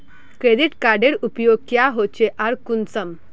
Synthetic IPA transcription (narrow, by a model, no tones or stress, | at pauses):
kɾed̪iʈkaɖeɽupjoɡ̚kjaɦot͡ɕeʔaɾkunt͡səm